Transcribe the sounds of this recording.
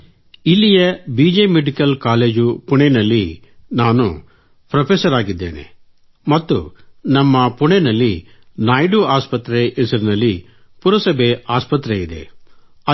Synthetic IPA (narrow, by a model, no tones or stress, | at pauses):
ilːijɐbiːd͡ʒemeɖikɐlkaːleːd͡ʒupuɳenɐlːi | naːnṵ | pɾɐpʰesɐɾaːɡid̪ːḛːnḛ | mɐt̪ːṵnɐmːɐpuɳenɐlːi | naːjɖuaːspɐt̪ɾeʔːsɐɾinɐlːi | puɾɐsɐbeaːspɐt̪ɾeid̪e̞̰ | ɐ